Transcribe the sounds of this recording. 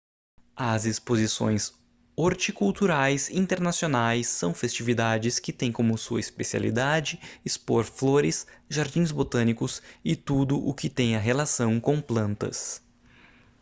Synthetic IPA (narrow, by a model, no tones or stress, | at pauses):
ɐzɪspozisõ̰j̃s | oɾt͡ʃikuwt̪uɾajsĩnt̪eɾnasionajsːɐ̃w̃fest͡ʃivid̪ad͡ʒɪskɪt̪ẽj̃kõmʊsuɐɪspesia̰lḭd̪ad͡ʒɪːspoɾfloɾɪsʒaɾd͡ʒĩj̃zbot̪ɐ̃nikʊsɪt̪ud̪ʊʔʊkɪt̪ẽj̃ɐɦelasɐ̃w̃kõplɐ̃nt̪ɐ̰s